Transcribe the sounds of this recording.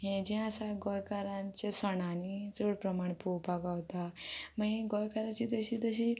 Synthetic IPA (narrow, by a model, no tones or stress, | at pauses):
ɦẽd͡ʑɛ̃əsaɡɔjkaɾãɲt͡ɕesəɳanid͡zoɽpɾəmaɳpowpaɡaʋt̪aməɦiɡojkaɾat͡ɕid̪əɕiːt̪əɕ̬iː